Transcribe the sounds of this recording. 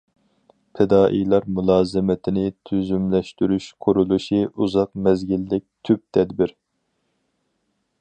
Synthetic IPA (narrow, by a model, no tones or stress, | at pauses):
pʰɪd̪ɑːʔijlˠɑɾmulˠɑːzɨmɪt̪ʰɪnɪt̪ʰyzymlɛʃt̪yɾyʃqʰʊɾulˠuʃiʔuzɑqmɛzɡʲilːɪk̚ʲt̪ʰyp̚t̪ʰɛd̪biɾ